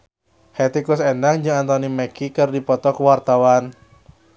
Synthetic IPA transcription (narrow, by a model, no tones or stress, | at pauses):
hɛt̪ikʊsɛndaŋd͡ʒɨŋant̪ɔnimɛkʰikɨrdipɔt̪ɔkuwart̪awan